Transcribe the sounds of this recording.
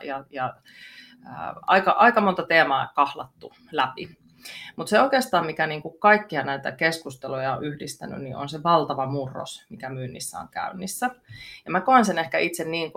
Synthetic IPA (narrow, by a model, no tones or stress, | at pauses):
jɑjɑ | ə̰ɑ̰ikɑʔɑikɑmont̪ɑt̪eːmɑːkɑhlɑ̰t̪ːu | læpḭ | mut̪seoikeːst̪ɑːmmikæniːŋkukkɑikːiɑnæit̪æ̰keskust̪elojɑoʔyhdist̪æ̰ny̰nnḭʔo̰nseʋɑlt̪ɑʋɑmurːo̰smikæmynːḭsːæ̰o̰ŋkæ̰ynːisːæjɑmækoensenehkæʔit̪senniːŋk